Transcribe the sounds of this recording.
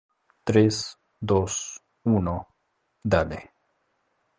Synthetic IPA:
t̪ɾes | d̪os | uno | d̪alḛ

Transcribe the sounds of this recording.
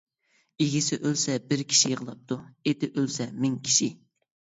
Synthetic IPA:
iɡʲisɪʔølsɛbɪɾkʲʰi̥ʃijəʁəlˠɑp̚t̪ʰuet̪ɪʔølsɛmɪŋkʲʰi̥ʃi

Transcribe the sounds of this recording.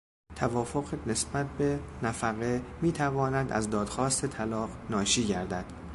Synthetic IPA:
t̪ʰævɒːfoɣne̞sbæt̪̚ʰbe̞næfæɣe̞miːt̪ʰævɒːnæd̪ʔæ̰zd̪ɒːd̪̥xɒːst̪ʰe̞t̪ʰælɒːqnɒːʃiːɟæɾd̪æd̪̥

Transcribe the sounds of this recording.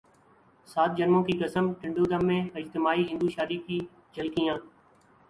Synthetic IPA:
saːt̪̚d͡ʒənmõːkiːkəsəmʈɪ̃ɳɖoːd̪əmːẽːɪd͡ʒt̪ɪmaːiːɦɪ̃nd̪uːʃaːɾiːkiː | d͡ʒəlkijãː

